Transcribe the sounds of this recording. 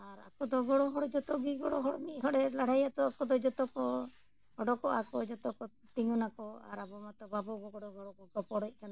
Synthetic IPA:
aɾa̰kɔd̪ɔɡɔɽɔɦɔɽd͡ʒɔt̪ɔɡiɡɔɽɔɦɔɽmit̚ˀɦɔɽɛlaɽ̤ʱajat̪ɔakɔd̪ɔd͡ʒɔt̪ɔkɔ | ɔɖɔkɔʔakɔd͡ʒɔt̪ɔkɔ | t̪iŋunakɔa̰ɾabɔmat̪ɔbabɔɡɔɡɔɽɔɡɔɽɔkɔɡɔpɔɽɔc̚kana

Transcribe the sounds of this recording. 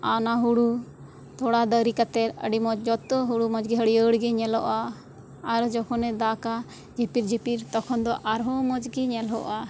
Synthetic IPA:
anaɦuɽu | t̪ʰɔɽad̪əɾikat̪ɛɾəɖimɔd͡ʒd͡ʒɔt̪ɔɦuɽumɔd͡ʒɡɛɦəɽiəɽɡɛɲɛlɔʔaː | ɾd͡ʒɔkʰɔnɛd̪aka | d͡ʒepiɾd͡ʒipiɾt̪ɔkʰɔnd̪ɔʔaɾɦɔmɔd͡ʒɡɛɲɛlɦɔ̰ʔa

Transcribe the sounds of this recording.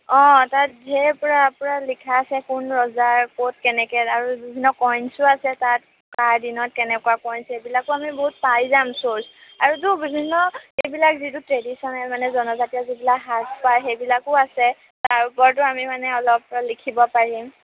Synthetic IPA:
ɔ̃tat̚ɦɛpɔɹapɔɹalikʰaːsɛkʊnɹɔzaɹkot̚kɛnɛkɛaɹubibʱinːɔkɔjnsʊasɛtat̚ | kaɹdinɔt̚kɛnɛkuakɔjnsebilakʊamiboɦut̚pajzamsoɹsaɹut̬ʊbibʱinːɔejbilakzitutɹedisɔnɛlmanɛzɔnɔzatiazibilakɦaspajxejbilakʊasɛ | taɹʊpɔɹt̬ʊamimanɛɔlɔp̚likʰibɔpaɹim

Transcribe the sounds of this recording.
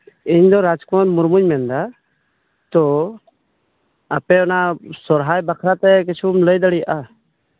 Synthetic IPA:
iɲd̪ɔɾad͡ʒkɔnmuɾmuɲmɛnd̪a | t̪ɔ | apɛɔnasɔɾɦajbakʰɾat̪ɛk̬it͡ʃʰumləjd̪aɽijaʔa

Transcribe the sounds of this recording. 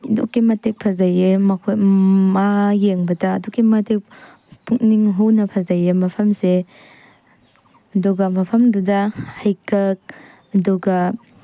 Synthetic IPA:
dṵkimɐtek̚pʰɐzajemɐkʰmajeŋbɐtaːdukimatek̚ | pʰukniŋɦuwnɐpʰɐzajemɐpʰɐmse | ɐduɡɐmɐpʰɐmdudahajkʰak̚ | ɐduɡa

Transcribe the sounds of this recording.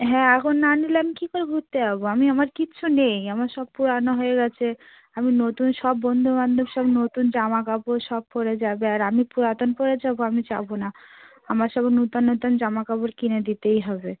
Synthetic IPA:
ɦɛ̃akʰonːanileamikikoɾebʱut̪ːeɦaboamiamaɾkit͡ɕʰunejamaɾʃɔb̚puɾanoɦoeɡɛt͡ɕʰe | aminot̪unʃɔbːɔnd̪ʱoband̪ʱoɾʃɔbnot̪und͡ʑamakaboʃɔb̚koɾed͡ʑabeaɾamipuɾat̪onpoɾed͡ʑaboamit͡ɕabona | amaɾʃɔbenut̪onːot̪ond͡ʑamakaboɾkined̪it̪ejɦɔbe

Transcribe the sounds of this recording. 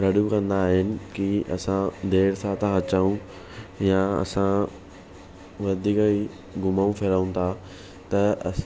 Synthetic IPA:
ɾɐɽjũkɐ̃nd̪aːɦɪnɪ̆kiʔɐsãd̪eːɾsãt̪ãɦɐt͡ɕaũ | jaɐ̰sã | ʋɐd̪ʱiːki | ɡʱʊmaũpʰɪɾaũt̪ʰa | t̪ɐɐ

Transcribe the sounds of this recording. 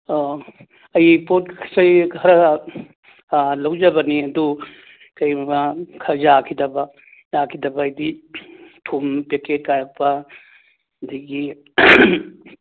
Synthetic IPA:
o | ɐjpot̚kʰɐsɐjʰɐɾɐ | lɐwd͡ʒɐbɐniɐdu | kɐjmɐkʰɐzakʰidɐbɐ | jakʰidɐbɐːjdi | tʰumpeket̚kajɾɐk̚pɐ | diɡi

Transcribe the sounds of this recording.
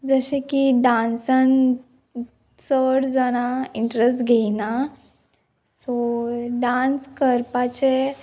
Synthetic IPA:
d͡zəɕekiɖãnsan | səɽd͡zaɽ̃aiɳʈɾesʈɡʱeina | sɔɖanskəɾpat͡ɕe

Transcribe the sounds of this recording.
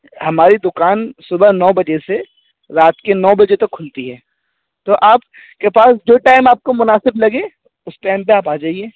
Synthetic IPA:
hɐmaːɾid̪ʊkaːnsʊbəɦnɔːbɐd͡ʒese | ɾaːt̪kenɔːbɐd͡ʒet̪ɐkʰːʊlt̪iɦɛː | t̪oʔaːp̚ | kepaːsd͡ʒoːʈaːɪmaːp̚komʊnaːsɪblɐɡẽ | ʊspaːnpeaːpaːd͡ʒaːieː

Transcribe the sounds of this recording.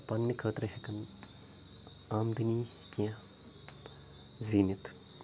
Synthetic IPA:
pɐnmikʰəːt̪ɾɐɦekɐn | aːmd̪ʱɨniː | kiã | ziːnit̪

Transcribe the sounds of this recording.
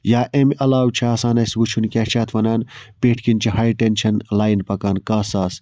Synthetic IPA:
jaːʔemʔɐlaːwt͡ʃʰiaːsaːnɐsʋut͡ʃʰunkʲɛːt͡ʃʰaːt̪ʰʋɐnaːnpeːʈʰkint͡ʃʰiɦaːjʈent͡ʃʰɐnlaːjnpɐkɐːnkaːsaːs

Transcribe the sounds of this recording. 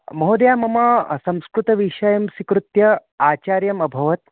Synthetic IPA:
mɐɦod̪jaːmɐmɐsɐ̃w̃skɾut̪ɐʋiʂɐjɐmsikɾut̪jɐaːt͡ɕaːɾjɐmɐbʱɐʋɐt̪

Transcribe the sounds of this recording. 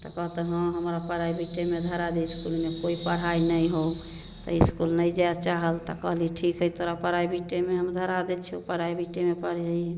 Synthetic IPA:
t̪ɔkəɦt̪eɦə̃ɦəmɾapəɾaibʱiʈːemed̪ʱəɾad̪eiskulmekoipəɽ̤ainəjɦow | t̪ɔ̰iskulnəjd͡ʒat͡ʃaɦəlt̪ɔ̰kəɦliʈʰikɦət̪oɾapəɾaibʱiʈːemeɦəmd̪ʱəɾad̪et͡ʃʰɛupəɽaibʱiʈːemepəɽ̤d͡ʒəjɛ

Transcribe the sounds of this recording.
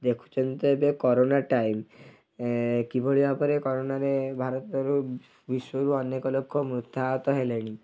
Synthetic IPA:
d̪ekʰu̥t͡ʃʰɔnt̪ebekɔɾonaʈajm | kibʱoɭibapɔɾekɔɾonaɾebʱaɾɔt̪ɔɾu | biʃɔjɔɾuɔnekɔlokʰːɔmɾut̪ːaɔt̪ɔɦeleɽ̃i

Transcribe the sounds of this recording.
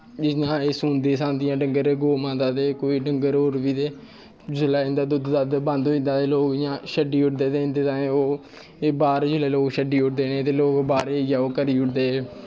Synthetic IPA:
d͡ʒɪjãːeːsuːnd̪eːsãːnd̪ɪjãːɖəŋɡəɾeːɡoːmãːd̪aːt̪eːkoːiːɖəŋɡəɾoːɾʋiːt̪eː | d͡ʒʊlaːɪ̃nd̪aːd̪ʊd̪d̪aːd̪bãːnd̪oːɪ̃nd̪aːt̪eːloːkɪjãːʃəɖiːʊʈd̪eːt̪eːnd̪eːt̪ãːoː | ebaːɾd͡ʒʊlɛːloːkʃəɖiːʊʈd̪eːnẽːt̪eːloːkbaːɾeːjaːoːkəɾiːʊʈd̪eːe

